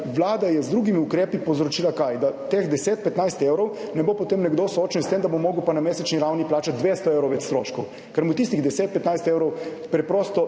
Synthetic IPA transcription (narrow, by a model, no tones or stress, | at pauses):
ʋlaːd̪ajɛzd̪ɾuɡimiukɾeːpipowzɾɔt͡ʃiːlakajd̪at̪exd̪ɛseːt̪̚pɛt̪najst̪eːwɾɔwnɛbopɔt̪emnɛɡd̪osoːt͡ʃnist̪emd̪abomoːɡupanameːsɛt͡ʃniɾawniplaːt͡ʃat̪̚d̪ʋeːst̪ɔeːwɾɔwʋɛt͡ʃ̪st̪ɾo̰ːʃkɔw | kɛɾmut̪ist̪iɣd̪ɛseːt̪̚pɛt̪najst̪eːwɾɔwpɾɛpɾoːst̪ɔ